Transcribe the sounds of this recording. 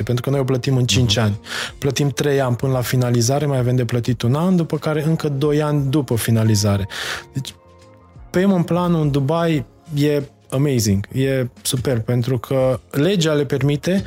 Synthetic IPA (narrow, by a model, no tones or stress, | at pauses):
epent̪ɾukənojoplət̪imɨnt͡ʃint͡ʃanʲplət̪imt̪ɾe̞janʲpɨnəlafinalizaɾe̞majavemd̪e̞plət̪it̪unand̪upəkaɾe̞ɨŋkəd̪o̞janʲd̪upəfinalizaɾe̞d̪̥et͡ʃʲ | pemɨnplanund̪ubaj | je̞ | əme̞jziŋɡje̞supe̞rb̚pe̞nt̪ɾukʰəle̞d͡ʒale̞pe̞rmit̪e̞